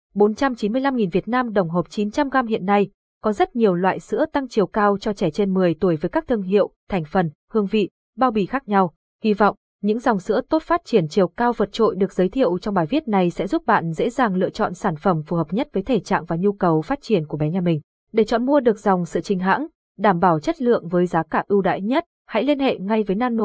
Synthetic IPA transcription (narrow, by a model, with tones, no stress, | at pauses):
ɓo˨˦nt͡ɕa˧mt͡ɕi˨˦nmɨ˧əjla˧mŋi˨˩nvi˨˩ət̚naː˧mɗə˧˩wŋ͡mɦoː˨˩p̚t͡ɕi˨˦nt͡ɕa˧mɣaː˧mhḭ˧˨ənːa˧j | kɔ˨˦zə˦˥t̚ɲi˨˩əwlwa̰ː˧˨jsɨ̰˧˥ət̪a˧ŋt͡ɕi˨˩əwkaː˧wt͡ɕɔ˧t͡ɕɛ˧˩t͡ɕe˧nmɨ˨˩əjt̪u˧˩əjvəː˨˦jkaː˦˥k̚t̪ʰəŋɦḭ˧˨əwt̪ʰɛ˨˩jŋ̟fə˨˩nhɨ˧əŋvḭ˧˨ | ɓaː˧wɓi˧˩xaː˦˥k̚ɲa˧w | hi˧vɔ̰˧˨wŋ͡m | ɲɨ̰˧˥ŋzɔ˨˩wŋ͡msɨ̰˧˥ət̪o˦˥t̚faː˦˥t̚t͡ɕi˧˩ənt͡ɕi˨˩əwkaː˧wvə˨˩t̚t͡ɕo̰˧˨jɗɨ˨˩ək̚zəː˨˦jt̪ʰḭ˧˨əwt͡ɕɔ˧wŋ͡mɓaː˨˩jvi˦˥ət̚na˨˩jsɛ̰˧˥zu˦˥p̚ɓa̰ː˧˨nzḛ˧˥zaː˨˩ŋlɨ̰˧ət͡ɕɔ̰˧˨nsaː˧˩nfə˧˩mfu˨˩həː˨˩p̚ɲə˦˥t̚vəː˨˦jt̪ʰe˧˩t͡ɕa̰ː˧˨ŋvaː˨˩ɲu˧kə˨˩wfaː˦˥t̚t͡ɕi˧˩ənku˧˩əɓɛ˨˦ɲaː˧˩mï˨˩ŋ̟ | ɗe˧˩t͡ɕɔ̰˧˨nmu˧əɗɨ˨˩ək̚zɔ˨˩wŋ͡msɨ̰˧˨t͡ɕï˨˦ŋ̟ɦa̰ː˧˥ŋ | ɗaː˧˩mɓaː˧˩wt͡ɕə˦˥t̚lɨ̰˧˨əŋvəː˨˦jzaː˨˦kaː˧˩ʔɨ˧wɗa̰ː˧˥˨jɲə˦˥t̚ | ha̰˧˥jli˧ənhḛ˧˨ŋa˧jvəː˨˦jnaː˧nno̰˧˨